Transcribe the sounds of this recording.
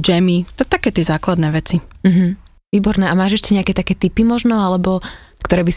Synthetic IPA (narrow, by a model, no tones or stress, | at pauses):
d͡ʒɛmit̪ɛt̪akɛːt̪ɛzaːklad̪nɛʋɛt͡sim̩ɦm̩ | ʋiːbɔɾnɛːʔamaːʒɛʃcɛɲɛakɛːt̪akɛːt̪ipimɔʒnɔalɛbɔkt̪ɔɾɛːbis